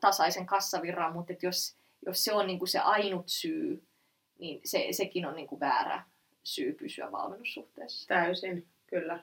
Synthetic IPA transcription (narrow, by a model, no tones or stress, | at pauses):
t̪ɑsɑiseŋkɑsːɑʋirːɑmmut̪et̪jos | josseonniːŋkusḛʔɑinut̪syː | ninsḛsekinonniːŋkuʋæ̰ːræ̰ | syːpysyæ̰ʋɑ̰lmenːusːuht̪eːsːɑ̥t̪æysin | kylːæ